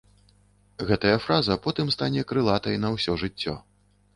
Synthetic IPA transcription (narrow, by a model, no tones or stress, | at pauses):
ɣɛt̪ɐjɐfɾazɐpɔt̪ɨmst̪anʲɛkɾɨlˠat̪ɐjnɐwsʲɔʐɨt͡sʲːɔ̰